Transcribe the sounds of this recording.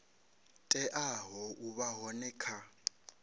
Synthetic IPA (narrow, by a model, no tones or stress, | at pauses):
tʼɛʔaɦɔʔuβaɦɔnɛːkʰa